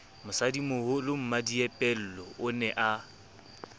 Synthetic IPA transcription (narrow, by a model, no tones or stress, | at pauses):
mʊsadimʊhʊlʊm̩madiɛpʼɛl̩lɔʊnɛʔa